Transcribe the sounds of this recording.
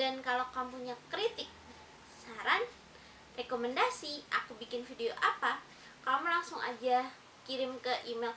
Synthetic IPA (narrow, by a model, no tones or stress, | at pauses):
dankalakampuɲakɾit̪ɪk̚ | saɾan | rekomɛndasiʔa̰kubikɪnfideoʔapa | kamulaŋsʊŋa̰d͡ʒa | kiɾɪmkəʔimel